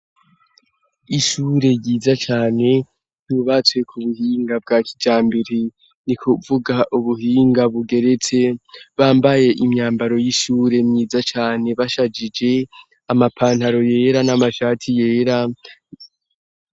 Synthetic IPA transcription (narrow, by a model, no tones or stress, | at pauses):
iʃuːɾe̞jiːzat͡ʃaːne̞ | juβat͡swe̞kʰuβuhiːŋɡab̚ɡaːkʰid͡ʒaːmbeɾe | nikʰuvuɡaʔuβuhiːŋɡaβuɡe̞ɾet͡se̞βaːmbaje̞ʔimɲaːmbaɾo̞jiʃuːɾe̞mɲiːzat͡ʃaːne̞βaʃad͡ʒid͡ʒe̞ | amapʰaːnthaɾo̞je̞ːɾanamaʃaːtʰije̞ːɾa